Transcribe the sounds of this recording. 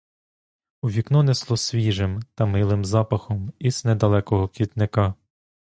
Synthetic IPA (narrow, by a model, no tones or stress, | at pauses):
uʋʲiknɔnɛslˠɔsʲʋʲiʒɪmt̪ɐmɪlˠɪmzɑpɐxɔmiznɛd̪ɐlˠɛkɔɦɔkʲit̪nɪkɑ